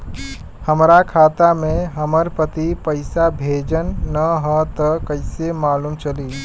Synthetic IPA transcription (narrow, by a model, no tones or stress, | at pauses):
həmɾakʰat̪ameɦəməɾpət̪ipəɪsabʱed͡ʒənːəɦə̃t̪əkəɪsemalumt͡ʃəli